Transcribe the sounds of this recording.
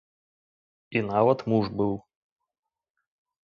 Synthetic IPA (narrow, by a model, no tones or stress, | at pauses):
inavɐt̪muʐbɨw